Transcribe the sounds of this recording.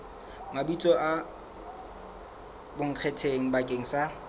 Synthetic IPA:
mabit͡sʼɔʔa | bʊŋ̩q͡χʰetʰeŋ̩bakʼeŋ̩sa

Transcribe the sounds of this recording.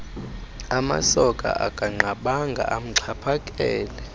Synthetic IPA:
ama̰sɔkʼa̰ʔakʼaŋ͡ǃaɓaŋɡʱa̰ʔam̩ǀʰapʰakʼɛːlɛ

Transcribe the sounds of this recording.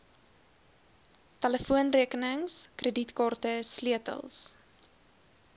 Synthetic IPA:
tələfuənriəkənəŋskrəditkɑːrtəsliətə̰lˠs

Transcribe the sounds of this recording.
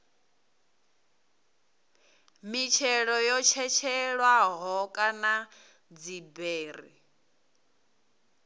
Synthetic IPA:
mit͡ʃʰɛɺɔjɔt͡ʃʰɛt͡ʃʰɛɺwaɦɔkʼana | d͡zibeːɾi

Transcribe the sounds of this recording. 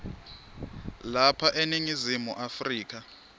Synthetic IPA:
lapʰaʔeniŋizimuʔafriːk̬ʰa

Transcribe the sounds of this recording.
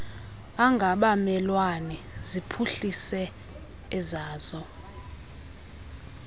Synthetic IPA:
aŋɡʱaɓamɛlwani | zipʰuɬisɛ | ɛzaːzɔ

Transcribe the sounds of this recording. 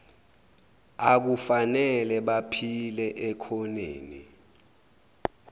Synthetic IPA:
ak̬ufanɛlɛɓapʰilɛʔɛkʰɔnḛːnḭ

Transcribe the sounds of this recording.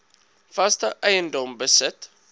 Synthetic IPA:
fɐstəʔɛjəndɔmbəsət

